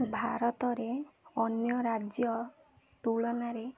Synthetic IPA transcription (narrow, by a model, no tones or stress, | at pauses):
bʱaɾɔt̪ɔɾeɔnjɔɾad͡ʒjɔ | t̪uɭɔnaɾe